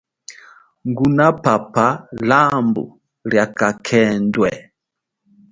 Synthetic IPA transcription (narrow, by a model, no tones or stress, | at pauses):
ŋɡunapapalambṵ | ljakakʰɛndwɛ